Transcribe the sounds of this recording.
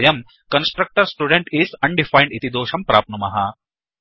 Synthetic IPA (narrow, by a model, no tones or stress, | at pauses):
jɐm | kɐnsʈɾɐk̚ʈɐɾsʈuːɖeɳʈiːsɐɳɖifajɳɖit̪id̪oːʃɐmpɾaːp̚numɐɦɐ